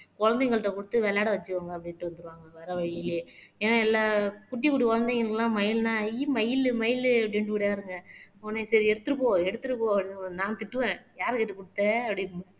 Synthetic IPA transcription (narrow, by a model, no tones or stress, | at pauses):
kɔɻɐnd̪ɐŋɡɐɭɯʈːɐkʊɽɯt̪ːɯʋɛɭaːɽɐʋɐt͡ʃːɯkːaːŋɡɐːp̬ːɐɽɪʈːɯʋɐnd̪ɯɾɯʋaːŋɡɐʋɐɾɐʋɐɭɪleɛnaɛlːakʊʈ̬ːikʊʈikɔɻɐnd̪ɛŋɡɐɭkːlãːmɐjɪlnãːimɐjɪlmɐjɪlɐpɐɽɪnʈɯkːʊɽjaːɾɯŋɡɐɔnːesɐɾiɛɽɯt̪ːɯɾɯkːoːɛɽɯt̪ːɯɾɯkːõɐpːɐɽɪnãːnt̪ɪʈːɯʋẽːjaːɾɯkɪʈːɯkʊɽɯt̪ːeːɐpːɐɽi